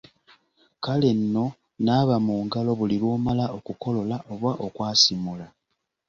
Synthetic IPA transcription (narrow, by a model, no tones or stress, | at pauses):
kale̞nːo̞ | naːβamuːŋɡalo̞βuliβoːmalao̞kuko̞lo̞laʔo̞βwaʔo̞kwaːsimula